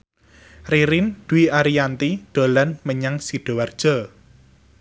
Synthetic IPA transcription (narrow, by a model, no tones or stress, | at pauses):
riɾind̪̥uiaɾiant̪id̪̥o̤lanməɲaŋsiɖ̥o̤ward̥ʒ̥ɔ̤